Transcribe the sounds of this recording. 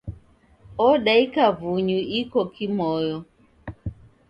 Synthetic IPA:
ɔɗaikavuɲuʔikɔkimɔjɔ

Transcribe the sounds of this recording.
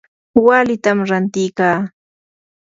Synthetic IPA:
walɪt̪amɾant̪ɪjkaː

